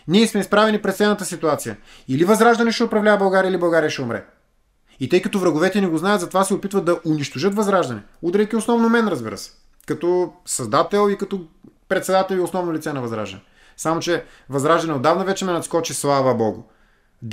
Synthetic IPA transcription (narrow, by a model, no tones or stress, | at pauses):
nʲiɛsmɛispɾavɛnipɾɛt̪sɛnət̪əsit̪uat̪sijə | ilivɐzɾaʒd̪ɐnɛʃɛopɾɐvlʲavɐbɐlˠɡaɾʲiəilibɐlˠɡaɾijəʃɛʊmɾɛ̰ | it̪ɤjkɐt̪ovɾɐɡʊvɛt̪ɛnɛɡoznajɐt̪zɐt̪ovasɛopit̪vəd̪ɐʔʊniʃt̪oʒɤt̪vɐzɾaʒd̪ɐnɛ | ud̪ɾɛjkʲiosnɔvnomɛnɾɐzbiɾə̰sɛ̥ | kɐt̪ɔsɐzd̪at̪ɛlˠikɐt̪ɔpɾɛt̪sɛd̪at̪ɛlʲiosnɔvnʊlit̪sɛnɐvɐzɾa̰ʒd̪ɐ̰nɛ | samot͡ʃɛ | vɐzɾaʒd̪ɐnɛod̪ːavnɐvɛt͡ʃɛmɛnɐt̪skɔt͡ʃislˠavɐbɔɡʊ̰